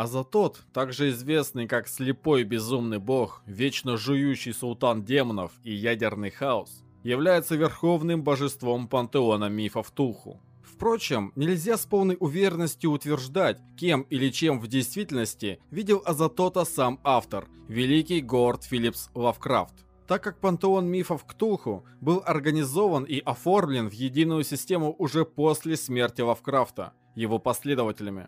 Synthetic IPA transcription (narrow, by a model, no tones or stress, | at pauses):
ɐzɐt̪o̞t̪ːaɡʐɨɪzvʲe̞snɨjkaksʲlʲɪpo̞jbʲɪzumnɨjbo̞xvʲet͡ɕnəʐʊjuɕːɪjsʊlˠt̪andʲemənəfijædʲɪrnɨjxaʊs | jɪvlʲæjɪt̪səvʲɪrxo̞vnɨmbəʐɨst̪vo̞mpənt̪ɨonəmʲifəft̪uxʊ̰ | fpɾo̞t͡ɕɪmnʲɪlʲzʲaspo̞lˠnəjʔʊvʲeɾʲɪnːəsʲtʲjʊʊt̪vʲɪrʐd̪atʲkʲemilʲɪt͡ɕe̞mvdʲɪjst̪vʲitʲɪlʲnəsʲtʲɪvʲidʲɪlˠɐzɐt̪o̞t̪əsamaft̪ərvʲɪlʲikʲɪjɡort̪fʲilʲipslˠɐfkɾa̰ft̪ | t̪akːak̚pənt̪ɨo̞nmʲifəfkt̪ulˠxʊ | bɨlˠɐrɡənʲɪzo̞vəniʔɐfo̞rmlʲɪnvjɪdʲinʊjʊsʲɪsʲtʲe̞mʊʔʊʐɛpo̞sʲlʲɪsmʲertʲɪlˠɐfkɾaft̪ə̰ | jɪvo̞pɐsʲlʲe̞d̪əvətʲɪlʲɪmʲɪ̰